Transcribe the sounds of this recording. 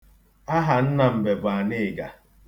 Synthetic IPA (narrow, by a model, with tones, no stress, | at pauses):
a˦ɦa˨n̩˦na˨m̩˨be˨bʊ˨a˨nɪ˦˨ɡa̰˨